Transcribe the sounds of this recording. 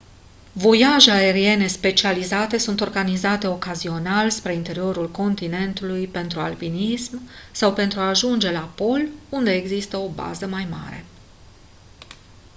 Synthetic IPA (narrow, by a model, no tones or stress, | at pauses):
vo̞jaʒeae̞ɾie̞ne̞spe̞t͡ʃializat̪e̞sunt̪o̞rɡanizat̪e̞o̞kazio̞nalspɾe̞int̪e̞ɾio̞ɾulko̞nt̪ine̞nt̪ulujpe̞nt̪ɾualpinismsawpe̞nt̪ɾuaːʒund͡ʒe̞lapo̞lund̪e̞ːɡzist̪əo̞ba̰zəmajma̰ɾe̞̰